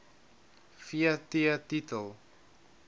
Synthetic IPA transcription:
fiətiət̪itəlˠ

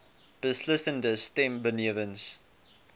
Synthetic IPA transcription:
b̥ɪslɪsə̃ndəstɛ̃mbənivə̃ns

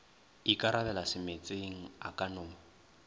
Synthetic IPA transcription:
ikʼaɾaβɛlasɪmet͡sʼeŋ̩a̰kʼanʊː

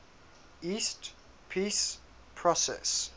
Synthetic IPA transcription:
iːˑst | pʰiːs | pʰɹɔsɛ̰s

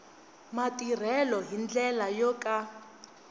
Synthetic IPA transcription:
matir̤ɛlɔɦind͡ɮɛlajɔkʼa

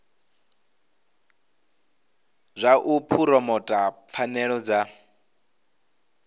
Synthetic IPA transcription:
zʷaʔupʰuɾɔmɔtʼap̪fʰanɛɺɔd͡za

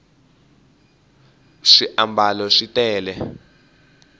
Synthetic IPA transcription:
ʂiʔambʱalɔʂitʼɛːlɛ

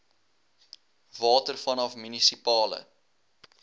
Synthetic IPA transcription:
vɑːtərfɐnɐfmynisipɑːlə̰

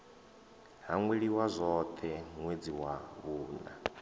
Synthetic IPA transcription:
ɦaŋweɺiwazʷɔt̪ʰɛŋwed͡ziwaβuːna̰

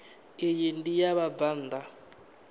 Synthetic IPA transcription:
ejendijaβavand̪ʱa

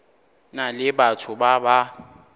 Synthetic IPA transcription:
nalɪɓatʰʊɓaɓa

